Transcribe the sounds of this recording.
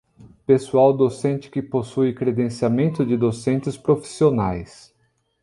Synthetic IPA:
pesuawd̪osẽnt͡ʃɪ̥kɪposujɪkɾed̪ẽsiamẽnt̪ʊd͡ʒɪd̪osẽnt͡ʃɪspɾofi̥sionajs

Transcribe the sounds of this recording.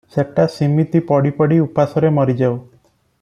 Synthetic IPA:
seʈasimit̪ipɔɽipɔɽiupasɔɾemɔɾid͡ʒaw

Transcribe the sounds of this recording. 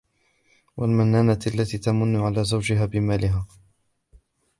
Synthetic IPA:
wʔalmanːaːnaalːat̪iːt̪amʊnːʊʕalaːzawd͡ʒɪɦaːbɪmaːlɪɦaː

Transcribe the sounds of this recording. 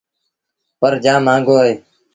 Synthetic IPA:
pəɾd͡ʒãːmãːŋɡoːeː

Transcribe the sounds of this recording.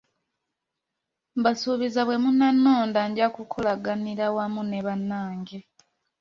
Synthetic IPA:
mbasuβizaβwe̞munːanːoːndaɲɟakukʰolaɡaniɾawamuneβanːaːŋɟe

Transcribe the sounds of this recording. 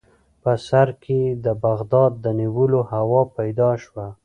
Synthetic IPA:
pəsaɾkʰed̪əbaɣd̪ɑd̪̚ːəniwəlohawɑpajd̪ɑʃwa

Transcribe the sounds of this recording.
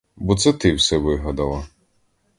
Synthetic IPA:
bɔt̪sɛt̪ɪwsɛʋɪɦɐd̪ɐlˠɐ

